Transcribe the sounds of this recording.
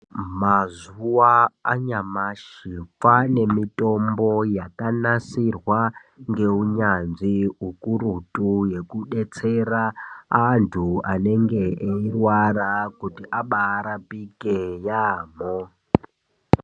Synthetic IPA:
mazuwaaɲamaʃifane̞mitʼo̞mbo̞jakanasirwa | ŋɡe̞uɲanʐiukuɾutʼuje̞kuɗet͡se̞raantʰuane̞ŋɡeʔeirwarakutiʔaɓaːɾapikejaːmo

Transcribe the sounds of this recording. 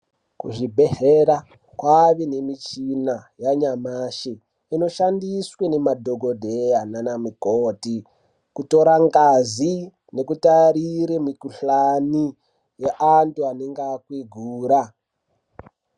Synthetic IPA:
kṵʐibʱe̞ɦeɾa | kwaʋene̞mit͡ʃinajaɲamaʃi | ino̞ʃandiswene̞madʱoɡʱo̞dʱejananamikoːti | kuto̞ɾaŋɡazi | ne̞kutaɾiɾemikuɬani | jeʔantuaneŋɡakwiɡʱuːɾa

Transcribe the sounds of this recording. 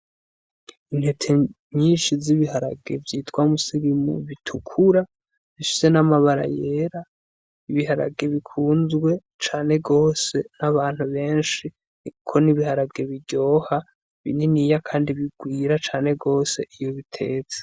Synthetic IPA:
inhe̞tʰe | ɲiːnʃiziβihaɾabɡe̞̰vjiːtwamusiɾimṵβitʰukʰuɾa | ziʃi̥ze̞namaβaɾa̰je̞ːɾa | iβiɦaɾa̰b̚ɡe̞βikʰuːnzɡwe̞ | t͡ʃaːne̞ɡo̞ːse̞naβaːn̥huβe̞ːnʃi | nikʰo̞niβihaɾabɡe̞βiɟo̞ːha | βḭniniːjakʰaːndiβiɡwiːɾat͡ʃaːne̞ɡo̞ːse̞ʔijo̞βitʰe̞̰ːt͡se̥

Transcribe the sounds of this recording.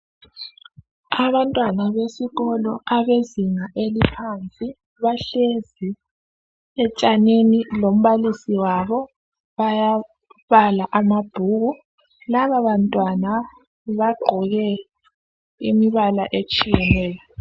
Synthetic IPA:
aβantʼwanaβesiɣɔlɔaβeziŋaʔelipʰant͡sʼi | βaɬezi | ɛt͡ʃʼanenilom̩βalisiwaβɔ | βaja | βalaʔamab̥ʱuːɣu | laβaβantʼwana | βaɡ͡ǃʱɔɣɛ | imiβalaʔet͡ʃʼijɛnɛːjɔ

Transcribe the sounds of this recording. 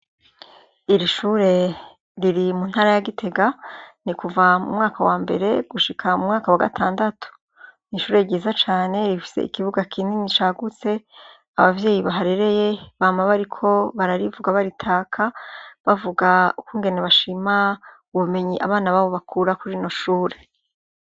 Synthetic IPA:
iɾiʃuɾe̞ | ɾiɾimunhaːɾajaɡitʰe̞ɡanikuvamṵmŋaːkawaːmbe̞̰ɾe̞ɡ̥uʃikʰamumŋaːkawaɡa̰tʰaːndatʰu̥ | niʃuːɾe̞ɾɟiːzat͡ʃaːne̞ɾifi̥se̞̰ḭkiβuɡakʰiːndinit͡ʃaɡut͡se̞ | aβavje̞ːjiβaɦaɾe̞ɾe̞je̞βaːmaβaɾikʰo̞βaɾaɾivuɡaβaɾitʰaːkʰaβavuɡaukuːŋɡe̞neβaʃima | uβuβume̞ɲiʔa̰βaːnaβaːβoβakʰuːɾakuɾino̞ʃuːɾe̞̥

